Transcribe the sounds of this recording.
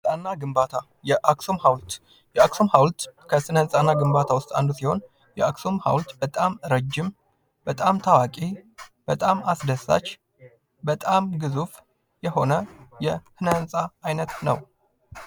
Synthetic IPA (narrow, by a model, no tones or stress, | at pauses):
t̪ʼanːaɡɨmbat̪ʰa | jɛʔaksomhawlt̪ | jɛaksomhawlt̪kʰəsɨnənsʼanːaɡɨmbat̪ʰawʊst̪ʼa̰nd̪usiho̞n | jɛaksomha̰wlt̪b̥ət̪ʼamɾəd͡ʒːɪm | bət̪ʼamt̪ʰawakʼib̥ət̪ʼamasd̪əsa̰t͡ʃː | bət̪ʼamɡɨzuf | jɛho̞nəjɛhɨnənsʼaːjnət̪nə̰w